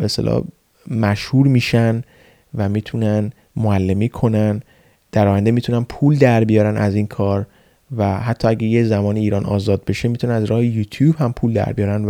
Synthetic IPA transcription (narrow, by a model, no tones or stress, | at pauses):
best̪elʔɒ̰ː | mæʃhuːɾmiːʃæn | væmiːt̪ʰunæn | moælːemiːkʰo̞næn | d̪̥æɾɒːjænd̪emiːt̪ʰunænpʰuːld̪æɾbijɒːɾænʔæziːnkʰɒːɾ | væɦæt̪ʰːɒːæɟæjezæmɒːniːɾɒːnɒ̰ːzɒːd̪̚be̞ʃemit̪ʰunænæzɾɒːhejuːt̪ʰjuːb̥hæmpʰuːld̪æ̰ɾbijɒːɾæn